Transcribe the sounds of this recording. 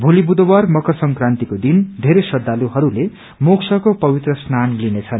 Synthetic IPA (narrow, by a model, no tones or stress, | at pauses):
bʱulibud̪owarmʌkʌsʌŋkrant̪ikod̪ind̪ʱeɾesʌd̪ːaluɦʌɾule | moksʌkopʌbit̪rʌsnanlinet͡sʰʌn